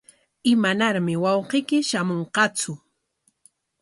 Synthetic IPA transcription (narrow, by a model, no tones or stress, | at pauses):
ɪmanaɾmɪwɑwqɪkɪʃamoɴqɑt͡sʊ